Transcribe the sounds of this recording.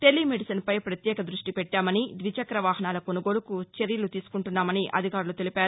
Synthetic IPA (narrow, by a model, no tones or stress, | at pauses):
ʈe̞lːimeɖisɐnpɐjpɾɐt̪jɛːkɐd̪ɾuʂʈipɛʈːaːmɐnid̪ʋit͡ʃɐkɾɐʋaːɦɐnaːlɐko̞nuɡo̞ːlukut͡ʃeɾjɐlut̪iːsu̥kuɳʈunːaːmɐniʔɐ̰d̪ʱikaːɾulut̪e̞lipaːɾu